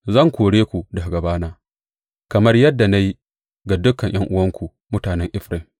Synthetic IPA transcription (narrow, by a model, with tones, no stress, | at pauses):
zɐ˦˨ŋkʷoː˨ɽeː˦kʷu˨dɐ˨ɡɐ˨baː˦naː˦ | kɐ˨mɐ˦rjɐ˦dːa˨na˦ji˦ | ɡa˨dʊ˦kːɐ˨ɲj̰ɐ˦ŋʔʊ˦wɐ˦ŋkʷu˨ | mʊ˦taː˨nɛ˦ŋʔɪ˦ɸɾɪ˨ŋ